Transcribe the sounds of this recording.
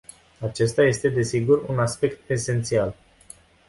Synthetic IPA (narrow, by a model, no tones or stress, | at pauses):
at͡ʃe̞st̪aje̞st̪e̞d̪e̞siɡurṵnaspe̞kt̪e̞se̞nt̪sial